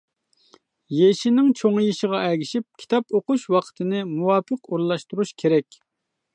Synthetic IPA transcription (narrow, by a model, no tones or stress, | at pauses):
jeʃinɪŋt͡ʃʰoŋjiʃəʁɑɛɡʲiʃip̚kʲʰi̥t̪ʰɑpoquʃwɑqʰə̥t̪ʰɨnɪmuwɑːpəquɾlˠɑʃt̪uɾuʃkʲʰeɾɛkʲ